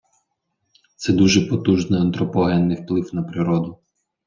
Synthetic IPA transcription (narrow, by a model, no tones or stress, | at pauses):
t̪sɛd̪uʒɛpɔt̪uʒnɪɐnt̪ɾɔpɔɦɛnːɪwplˠɪwnɐpɾɪɾɔd̪ʊ